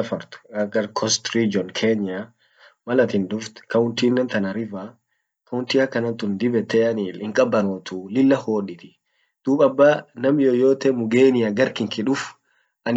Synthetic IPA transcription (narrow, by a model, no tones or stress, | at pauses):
ɐfɐɾt̪ʊ̥ɐɡɐɾkʰɔst̪ɾid͡ʒɔnkʰeːɲa | mɐlɐt̪ɪnd̪ʊft̪kɐʊnt̪iːnːɛnt̪ɐnɐɾɪva | kɐʊnt̪iːɐkːɐnɐnt̪ʊnd̪ɪbɛt̪ːeɐnɪɪŋkʼɐbːɐnoːt̪ʰuːlɪlːɐhoːᶑɪt̪ɪ̥ | d̪̥uːbɐbːaːnɐmjojoːt̪ɛmʊɡeːnɪjaɡɐɾkɪŋkɪᶑʊf | ʔɐn